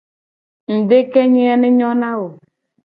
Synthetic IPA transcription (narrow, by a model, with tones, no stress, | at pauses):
n̩˨de˦ke˦ɲe˦ɛ˦nɪ˦ɲɔ˦na˦wʊ˨